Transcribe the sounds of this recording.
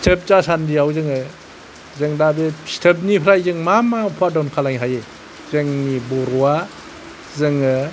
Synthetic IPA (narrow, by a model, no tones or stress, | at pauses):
stʰəp̚t͡ʃasandiawzɯŋɯ | zɯŋdabestʰəp̚nipʰɾajzɯŋmamapʰadawnkʰalaŋɦaje | zɯŋnibɔɾɔwa | zɯŋɯ